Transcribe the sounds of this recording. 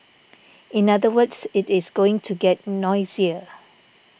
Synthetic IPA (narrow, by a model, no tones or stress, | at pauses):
ɪ̃nadəwədsɪtɪsɡoɪ̃ŋtʰuɡɛt̚nɔɪziə